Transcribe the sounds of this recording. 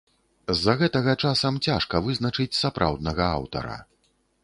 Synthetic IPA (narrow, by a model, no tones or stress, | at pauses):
zːɐɣɛt̪ɐɣɐt͡ʂasɐmt͡sʲaʂkɐvɨznɐt͡ʂɨt͡sʲsapɾʔa̰wd̪̚nɐɣɐa̰wt̪ɐ̰ɾɐ̰